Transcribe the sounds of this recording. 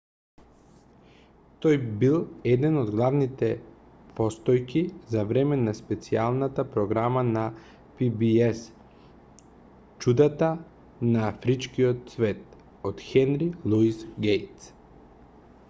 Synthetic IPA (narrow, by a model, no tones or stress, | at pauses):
t̪ojbilˠɛd̪ɛnod̪ɡlˠavnit̪ɛ | pɔst̪ɔjkizavɾɛmɛnaspɛt̪sialˠnat̪apɾoɡɾamana | pibiɛs | t͡ʃud̪at̪a | naːfɾit͡ʃkiot̪svɛt̪̚ | ot̪xɛnɾilˠuisɡɛjt̪s